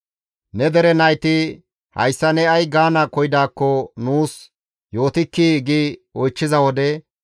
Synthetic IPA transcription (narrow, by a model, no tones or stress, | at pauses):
nɛd̪ɛɾɛnɐjt̪ɪ | hɐ̰jsːɐnɛɐjɡaːnɐkɔjɪd̪aːkːɔnuːs | jo̞ːt̪ɪkːiɡiɔjt͡ʃːɪzɐwɔd̪ɛ